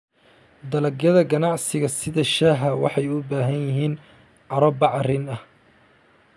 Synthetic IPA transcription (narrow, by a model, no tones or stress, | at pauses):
d̪ɐlɐɡjɐðɐɡɐnɑʕsɪɣɐsɪðɐʃɐɦɐwɑ̰ħɑjʊbaːɦɐnjɪɦiːn | ʕɑɾɐbɑʕɑrɪnɐh